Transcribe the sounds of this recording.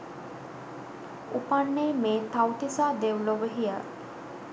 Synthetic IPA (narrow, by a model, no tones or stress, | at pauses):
upanːemeːt̪awt̪isaːd̪ewloʋəɦija̰